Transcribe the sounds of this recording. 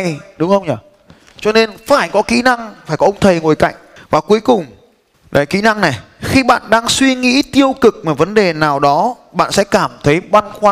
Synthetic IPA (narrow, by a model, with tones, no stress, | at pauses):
ɗʊ˨˦ŋ͡mxə˧wŋ͡mɲə˨˩ | t͡ɕɔ˧ne˧nfaː˧˩jkɔ˨˦kḭ˧˥na˧ŋfaː˧˩jkɔ˨˦ʔə˧wŋ͡mt̪ʰə˨˩jŋo˨˩jka̰˧˨jŋ̟vaː˨˩ku˨˦əjkʊ˨˩ŋ͡m | la̰ː˨˩kḭ˧˥na˧ŋna˨˩j | xi˧ɓa̰ː˧˨nɗaː˧ŋswi˧ŋḭ˧˥t̪i˧əwkɨ˨˩k̚maː˨˩və˨˦nɗe˨˩naː˨˩wɗɔ˨˦ | ɓa̰ː˧˨nsɛ̰˧˥kaː˧˩mt̪ʰə˨˦jɓa˧nxwaː˧